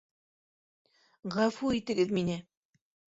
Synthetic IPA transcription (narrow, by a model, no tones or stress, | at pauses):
ʁafuit̪ɘ̆ɡɘðminɘ